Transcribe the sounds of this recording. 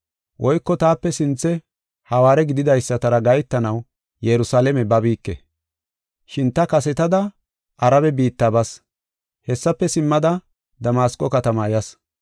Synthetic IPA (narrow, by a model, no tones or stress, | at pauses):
wʔɔjkːɔt̪aːpːɛsɪnt͡sːɛ | hɐwaːɾɛɡɪd̪ɪd̪ɐjsːɐt̪ɐɾɐɡɐjt̪ːɐnɐw | jɛɾʊsaːlɛmɛbɐbiːkːɛ̰ | ʃɪnt̪ɐkɐsɛt̪ɐd̪ɐ | ʔɐɾɐbɛbiːt̪ːaːbɐs | hɛsːɐpːɛsɪmːɐd̪ɐ | d̪ɐmaːskʼːɔkɐt̪ɐmɐjɐs